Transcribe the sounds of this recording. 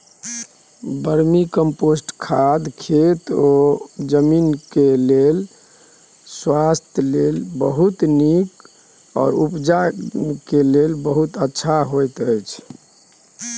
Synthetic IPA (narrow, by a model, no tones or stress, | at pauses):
bəɾmikəmposʈkʰad̪kʰet̪od͡ʒəminkelel | swast̪ʰjlelbəɦut̪nik | ɔ̰ːɾupd͡ʒakelelbəɦut̪ətːʃʰaɦojt̪əjt͡ʃʰ